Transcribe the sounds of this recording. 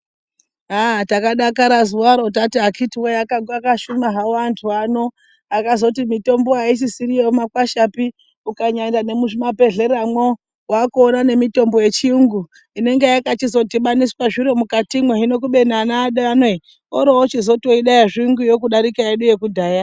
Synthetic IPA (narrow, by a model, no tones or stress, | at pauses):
atakaɗakaɾazuwaɾo̞t̬atiɦakʰitiwejakaɡakaʃumaɦawantʰuano̞ | akazo̞timito̞mbo̞ais̬isiɾijemakwaʃapi | ukaɲaɲdane̞muʐimape̞ɮe̞ɾamwo | wakuonane̞mito̞mbo̞je̞t͡ʃiuŋɡu | ine̞ŋɡe̞jakat͡ʃizo̞tiɓaniswaʐiɾo̞mukatimweɦino̞k̬uɓe̞nanaːɗanwe̞ | oɾoot͡ʃizo̞toiɗajaʐiuŋɡujo̞kuɗaɾikaeɗuje̞kudʱaːja